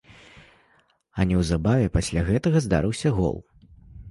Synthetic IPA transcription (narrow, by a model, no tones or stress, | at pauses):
ɐnʲɛwzabavʲɛpasʲlʲaɣɛt̪ɐɣɐzd̪a̰ɾɨwsʲɐɣɔ̰lˠ